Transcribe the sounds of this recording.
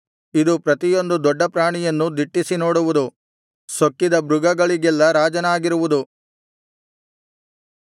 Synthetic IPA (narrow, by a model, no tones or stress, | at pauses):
id̪upɾɐt̪ijo̞nd̪ud̪ɔɖːɐpɾaːɳijɐnːud̪iʈːisinoːɽuʋud̪u | sokːid̪ɐbɾuɡɐɡɐɭiɡɛlːɐɾaːd͡ʒɐnaːɡiɾuʋud̪u